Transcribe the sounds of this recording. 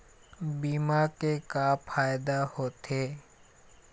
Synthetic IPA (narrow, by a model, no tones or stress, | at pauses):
biːmakekapʰaːjd̪ahoːt̪eː